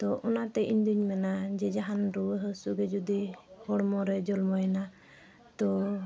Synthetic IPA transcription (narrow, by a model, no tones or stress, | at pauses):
t̪ɔʔɔnat̪ɛʔiɲd̪uɲmɛnad͡ʒɛd͡ʒaɦanɾuwəɦəsuɡɛd͡ʒud̪ihɔɽmɔɾɛd͡ʒɔlmɔjɛna | t̪ɔ